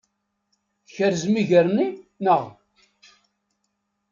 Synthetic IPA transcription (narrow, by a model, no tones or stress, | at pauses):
çəɾzmiʝəɾninəʁ